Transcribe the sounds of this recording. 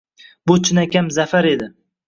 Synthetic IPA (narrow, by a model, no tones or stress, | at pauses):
bʊt͡ʃʰɪnakʲamzafaɾe̞d̪ɪ